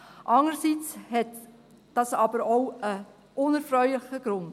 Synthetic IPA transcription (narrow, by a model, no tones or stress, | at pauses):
ʔɑŋəɾsit͡shɛt | d̥ɑsɑbəɾoʊə | ʔʊnɛɾfɾœʏlɪχəɡ̥ɾʊnd